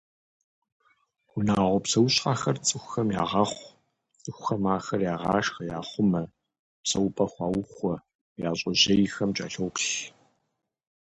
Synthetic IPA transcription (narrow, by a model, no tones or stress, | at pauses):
ʊnaːʁʷɔpsɐwɕʼqaːxɐrt͡sʼɨxʷxɐmjaːʁɐχʷ | t͡sʼɨxʷxɐmaːxɐrjaːʁɑ̰ːʂxɐjaːχʷʊmɐ | psɐwpʼɐxʷɑːwʊxʷɔ | jaːɕʼɐʑɐjxɐmt͡ʃʼa̰ːɬowkɬ